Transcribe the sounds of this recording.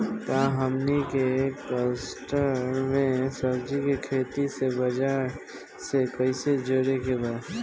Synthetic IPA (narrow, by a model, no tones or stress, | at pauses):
k̪aɦəmnikekəsʈəɾɾmẽsəbd͡ʒikekʰeːt̪isebəd͡ʒaːɾ | sekəɪsed͡ʒoɾekebaːd